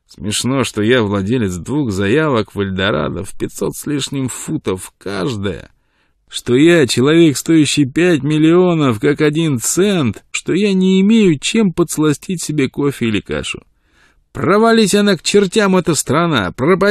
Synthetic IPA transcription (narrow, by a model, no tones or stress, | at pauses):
smʲɪʂno̞ʂt̪o̞javlˠɐdʲelʲɪt̪sd̪vuxzɐjavəkvəlʲd̪ɐɾa̰d̪ə̰fpʲɪt̪so̞t̪sʲlʲiʂnʲɪmfut̪əfkaʐd̪əjə̰ | ʂt̪o̞jat͡ɕɪlˠɐvʲe̞kst̪o̞jɪɕːɪjpʲæt̬ʲmʲɪlʲɪo̞nəfkakɐdʲint̪sɛnt̪ʂt̪o̞janʲɪːmʲejʊt͡ɕe̞mpət̪slˠɐsʲtʲitʲsʲɪbʲe̞ko̞fʲɪɪlʲɪka̰ʂʊ̰ | prəvɐlʲisʲɐnakt͡ɕɪrtʲamɛt̪əst̪ɾɐna̰prəpɐ